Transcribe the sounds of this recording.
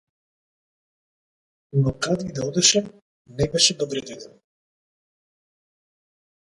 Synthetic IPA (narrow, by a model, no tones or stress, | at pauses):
nɔkad̪id̪aɔd̪ɛʃɛ | nɛbɛʃɛd̪ɔbɾɛd̪ɛd̪ɛn